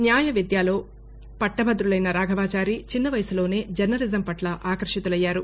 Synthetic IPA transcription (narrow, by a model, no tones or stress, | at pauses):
njaːjɐʋid̪jaːlo̞ː | pɐʈːɐbɐd̪ɾulɐjnɐɾaːɡʱɐʋaːt͡ʃaːɾit͡ʃinːɐʋɐjɐsulo̞ːne̞ːd͡ʒɐɾnɐlizɐmpɐʈlɐʔaːkɐɾɐʂɐt̪ulɐjːaːɾu